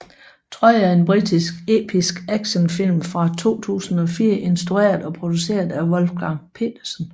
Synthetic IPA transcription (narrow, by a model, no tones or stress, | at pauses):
t͡sʰʁɒ̰jɑe̝nb̥ʁid̥isɡ̥e̝̰ːpʰisɡ̥æɡ̥ɕənfil̰mfʁɑ̈t͡sʰo̝̰ːt͡sʰṵːsn̩ɒ̽fiːɐʔe̝nsd̥ʁue̝̰ːɐðˠɒ̽pʰʁo̝d̥use̝̰ːɐðˠæʋɔ̽lfɡ̥ɑ̈ŋpʰe̝̰ːd̥ɐsən